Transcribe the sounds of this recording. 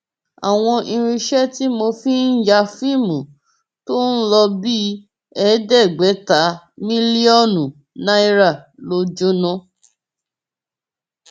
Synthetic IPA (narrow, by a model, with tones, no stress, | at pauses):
a̰˨w̃ɔ̃˧ʔĩ˧ɾ̃ĩ˧ʃɛ˦ti˦mo˧fi˦n̩˦d͡ʒa˧fi˦˨mũ˨ | to˦n̩˦lɔ˧bi˦ | ɛ˧˦dɛ˦˨ɡ͡bɛ˨˦ta˨˦ | mĩ˦li˦ɔ˦˨nũ˨ | nã˦i˧˦ɾa˦˨lo˧˦d͡ʒo˦nɔ̃˧˦